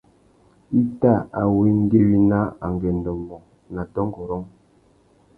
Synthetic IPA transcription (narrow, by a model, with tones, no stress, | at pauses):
i˦ta˦˨a˨we˦ŋ˦ɡe˦wi˦na˦a˨ŋɡɛ˨n̩˨dɔ˨mɔ˨ | na˨tɔ˦ŋ˦ɡɔ˨ɾɔ˦ŋ